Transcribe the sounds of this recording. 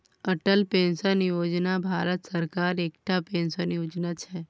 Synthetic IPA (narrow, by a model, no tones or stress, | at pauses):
əʈəlpẽnʃənjod͡ʒnabʱaɾət̪səɾkaɾekʈapẽnʃənjod͡ʒnat͡ʃʰe